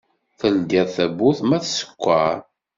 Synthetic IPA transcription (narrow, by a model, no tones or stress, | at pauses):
θəld̪æθæbuθmæθsə̥kʷːaɾ